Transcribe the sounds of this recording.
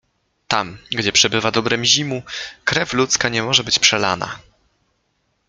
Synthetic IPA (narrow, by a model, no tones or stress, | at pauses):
t̪amɡd͡ʑɛpʂɛbɘvad̪ɔbɾɛmʑimukɾɛflut̪skaɲɛmɔʐɛbɘt͡ɕpʂɛla̰na̰